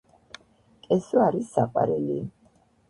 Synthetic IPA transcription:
kʼɛsuaɾisakʼwa̰ɾɛli

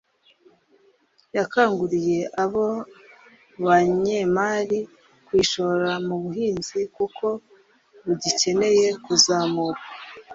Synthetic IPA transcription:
jakaːŋɡuɾije̞ʔaβo̞ | βaɲemaːɾi | kwiːʃo̞βoɾamuβuɦiːnzikukʰo̞ | βuɟice̞ne̞je̞kuzaːmuɾa

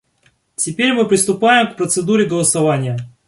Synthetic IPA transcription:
tʲɪpʲeɾʲmɨpɾʲɪst̪ʊpajɪmkpɾət̪sɨd̪uɾʲɪɡəlˠəsɐvanʲɪjə

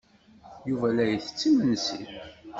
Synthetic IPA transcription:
juvælæjθə̥t͡sːimənsḭɾ

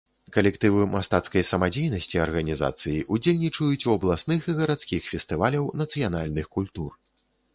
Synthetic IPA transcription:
kɐlʲɛkt̪ɨvɨmast̪at̪skɐjsɐmad͡zʲejnɐsʲt͡sʲiɐrɣɐnʲiza̰t̪sɨjiʔud͡zʲelʲnʲit͡ʂɐjut͡sʲuɐblˠasnɨxiɣɐɾat̪skʲixfʲɛst̪ɨvalʲɐwnɐt̪sɨjanalʲnɨxkulʲt̪ur

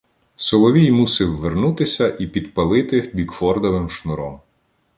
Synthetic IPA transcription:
sɔlˠɔʋʲijmusɪwːernut̪ɪsʲɐʔipʲid̪pɐlˠɪt̪ɪbʲikfɔrd̪ɔʋɪmʃnʊɾɔm

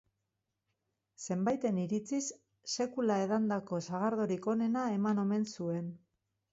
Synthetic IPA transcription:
se̞mbajt̪e̞niɾit͡sisː | e̞kulae̞ðand̪ako̞saɣ̞aɾðo̞ɾiko̞ne̞nae̞mano̞me̞nsue̞n

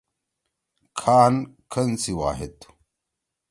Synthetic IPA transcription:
kʰaːnkʰɐnt͡siwa̰ːɦet̪u̥

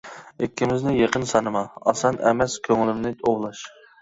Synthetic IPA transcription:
ekʲʰːimɪznɪjeqʰənsɑnɨmɑɑ̰sɑnɛmɛskʲʰøŋlɪmnɪt̪ʰowlˠɑʃ

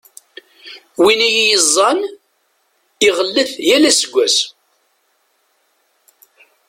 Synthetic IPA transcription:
winijijəzˤːɑn | ɪʁəlːəθjælæsəɡʷːæs

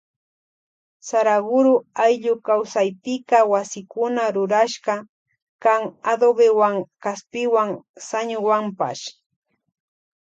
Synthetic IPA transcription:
saɾaɡʊɾʊajʎʊkawsajpɪkawasɪkʊnaɾʊɾaʃɢɑ | kaŋad̪obewaŋkaspɪwaŋsaɲʊwampa̰ʃ

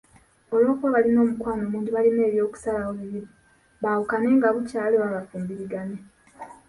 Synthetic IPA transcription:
o̞lo̞ːkwoβalino̞ːmukwaːnomuːɲdiβaline̞ːβjo̞ːku̥salaoβiβiɾi | βawukane̞ŋɡaβucaːloβaβafuːmbiɾiɡane

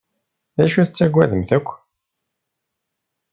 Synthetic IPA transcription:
ðæʃuθət͡sːæɡʷːæðəmθækʷː

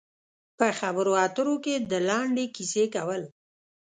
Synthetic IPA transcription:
pəxabəɾoɑt̪əɾoked̪əlɑɳɖekisekawəl

